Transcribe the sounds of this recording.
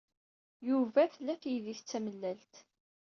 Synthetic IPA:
juvæθlːæfjðiθt͡sːæməlːælt̪

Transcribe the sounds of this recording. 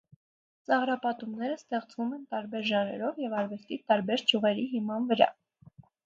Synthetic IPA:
t͡sɑʁɾɑpɑt̪umnɛɾəst̪ɛχt͡svumɛnt̪ɑɾbɛɾʒɑnɛ̰ɾɔvjɛvɑɾvɛst̪it̪ɑɾbɛɾd͡ʒʰuʁɛɾiɦimɑnvəɾɑ̰

